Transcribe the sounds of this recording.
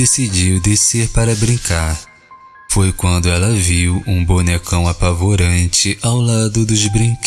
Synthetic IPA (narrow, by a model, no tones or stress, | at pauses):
esid͡ʒiwd̪eseɾpaɾɐbɾĩkaɾ | fojkwɐ̃nd̪ʊɛlɐviwũbonekɐ̃w̃apavoɾɐ̃nt͡ʃɪʔawlad̪ʊd̪ʊzbɾĩk